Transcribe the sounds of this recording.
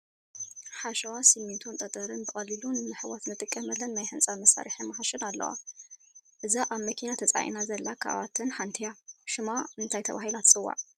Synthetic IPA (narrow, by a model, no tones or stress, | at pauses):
ħaʃɐwasɨmːint̪ʰunt̪ʼɐt̪ʼɐɾɨnbɨχʼɐlilunnɨħɨwat̪nɨt̪ʼɨkʼːɐmɐlːɐnnajħɨnt͡sʼamɐsa̰ɾiħɨnmɐhaʃɨnalːɐ̰wa̰ | ʔɨzaʔaβmɐkʰinat̪ʰɐt͡sʼa̰ʔḭnazɐlːakʰa̰ʔβat̪ʰɨnħant̪ʰijaʃɨmaɨnt̪ʰajt̪ʰɐβaɦilat̪t͡sʼɨwːa̰ʕ